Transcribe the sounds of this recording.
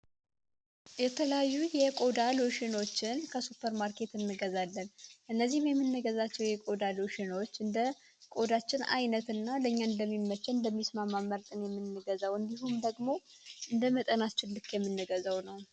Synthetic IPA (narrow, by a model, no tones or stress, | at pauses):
jɛt̪ʰələjajːujɛkʼo̞d̪aloʃɪno̞t͡ʃːɪnkʰəsupʰːəɾmaɾkʰe̞t̪ɨnːɨɡəzalːənʔɨnːəzːihmjɛmːɨnːɨɡəzat͡ʃːɛwjɛkʼo̞d̪aloʃɪno̞t͡ʃːɨnd̪ə | kʼo̞d̪at͡ʃːɪna̰jnət̪ɨnːaləɲːaɨnd̪əmːimːət͡ʃːɛɨnd̪əmːismamːamːəɾt̪ʼɨnjɛmːɨnːɨɡəzawɨnd̪iɦumd̪əɡmo̞ | ʔɨnd̪əmət̪ʼənat͡ʃːɪlːɨkʰjɛmːɨnːɨɡəzawnəw